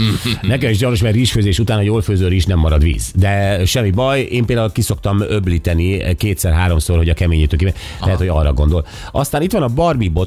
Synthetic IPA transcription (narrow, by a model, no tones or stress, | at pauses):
nɛkɛmiʒɟɒjnoʃmɛrriːʃføːzeːʃut̪aːnhɒjoːlføːzøːriːʃnɛmːɒɾɒd̪ʋḭːzd̪ɛʃɛmːibɒjeːmpeːld̪aulkiso̞k̚t̪ɒmøbliːt̪ɛnikeːt̪sɛrɦaːɾo̞msorho̞ɟɒkɛmeːɲit̪øːkimɛ | ɛɦɛt̪ho̞ɟɒrːɒ̰ɡo̞nd̪o̞l | ɒst̪aːnit̪ʋɒnɒbɒrbibo